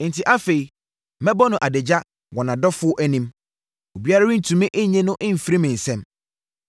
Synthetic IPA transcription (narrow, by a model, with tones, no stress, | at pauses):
n̩˨tʰi˨ʔa˦fe˨i˨ | mɛ̃˦bɔ˦nʊ̃˨ʔa˨dɪ˨d͡ʑa˦ | wɔ̃˨nã˨dɔ˦fʊ˦ɔ˦ʔæ˦nĩ˦m | o˨bi˦a˦ɾa˦ĩ˦n̩˨tʰũ˨mɪ̃˦ʔe˦ɲɛ̃˦nʊ̃˦ʔɪ̃˦m̩˨fi˨ɾi˦mɪ̃˨n̩˨sɛ̃˦m